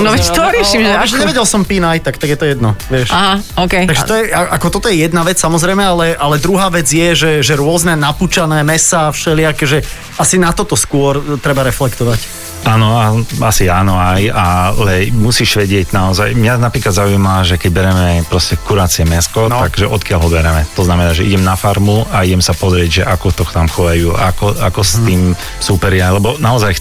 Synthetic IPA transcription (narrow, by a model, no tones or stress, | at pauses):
nɔʋɛt͡ʃit̪ɔɾɪɛʃimʒɛɛʒɛɲɛʋɛɟɛlsɔmpinajt̪akt̪aɡjɛt̪ɔjɛd̪̚nɔʋɪɛʃaɦaoːkɛjt̪aɡʒɛt̪ɔjɛaʔakɔt̪ɔt̪ɔjɛjɛd̪naʋɛt͡ssamɔzɾɛjmɛalɛʔalɛd̪ɾuɦaːʋɛd͡zjɛʒɛʒɛɾʊɔznɛnapuːt͡ʃanɛːmɛsaːfʃɛlɪakɛʒɛ | asinat̪ɔt̪ɔskʊɔɾt̪ɾɛbaɾɛflɛkt̪ɔʋac | aːnɔaasiaːnɔajalɛmusiːʃʋɛɟɪɛɟnaɔzajmɲanapɾiːklad̪zauimalaʒɛkɛɟbɛɾɛmɛpɾɔscɛkuɾaːt͡siɛmɛskɔtt̪aɡʒɛʔɔt̪kɪalɦɔbɛɾɛmɛt̪ɔznamɛnaːʒɛʔḭɟɛmnafaɾmuaiɟɛmsapɔzɾɪɛɟʒɛʔakɔt̪ɔxt̪amxɔjajuːakɔa̰kɔst̪iːm | supɛɾɪalɛbɔnaɔzaj